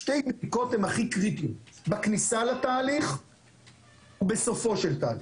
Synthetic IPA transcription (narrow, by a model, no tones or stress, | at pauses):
ʃtejbdiko̞t̪hemaχikʁit̪iumbaknisalat̪aːliχ | ube̞so̞fo̞ʃelt̪aːli